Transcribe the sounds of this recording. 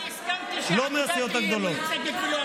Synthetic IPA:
loːmet̪ʰɪjoːt̪ək̚d̪oːloː

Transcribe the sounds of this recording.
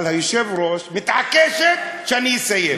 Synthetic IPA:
lɦəjsebɾosmit̪akeset͡ʃɐniseje

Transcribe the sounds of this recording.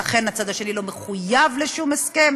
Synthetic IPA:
aχe̞nat͡sad̪aʃe̞lilo̞meχujavleʃumeske̞m

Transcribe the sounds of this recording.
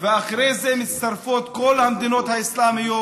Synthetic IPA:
veaχɾejzemit͡st̪aɾfot̪ko̞lhamd̪ino̞t̪haislamijo

